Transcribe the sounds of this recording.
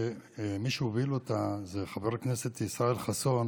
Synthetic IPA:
miʃuovilot̪azeχaveʁkneset̪isʁaelχason

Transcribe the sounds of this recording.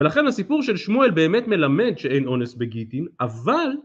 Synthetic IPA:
velaχe̞nasipuʁʃelʃmuelbe̞ːme̞tme̞lame̞dʃee̞jno̞nesbeɡitinaval

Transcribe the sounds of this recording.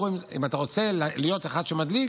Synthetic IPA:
uimḭmat̪aʁo̞t͡se̞llijo̞t̪eχad̪ʃemad̪li

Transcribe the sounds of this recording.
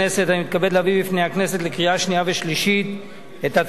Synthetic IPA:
ese̞thamit̪̚kabe̞d̪labibifne̞jhakne̞se̞t̪lekʁiaʃniave̞ʃliʃit̪ | et̪a

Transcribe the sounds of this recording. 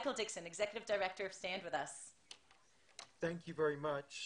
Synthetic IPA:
kl̩ˠdɪksɨ̃nɨɡzɛkjɨɾɨvdə˞ɛk̚tə˞ʌv̥stæ̃nd̚wɨðʌs | θæ̃ŋkʰjɨvɛɹimʌt͡ʃ

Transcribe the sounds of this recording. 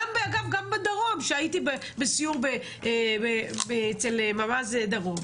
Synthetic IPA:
ambeaɡavɡambed̪aʁomʃeaitibe | besijuʁbe | ʔebebeet͡selemamazed̪aʁo̞m

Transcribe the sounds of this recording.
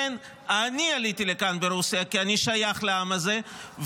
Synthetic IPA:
en | anialit̪ilekanbeɾusijakianiʃajaχleamazev

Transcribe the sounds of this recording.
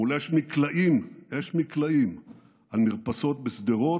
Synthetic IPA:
uleʃmiklaʔimeʃmiklaim | almiʁpaso̞t̪̚besd̪eʁo̞

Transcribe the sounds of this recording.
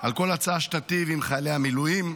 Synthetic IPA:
alko̞lat͡saːʃtat̪ivimχajleamilujim

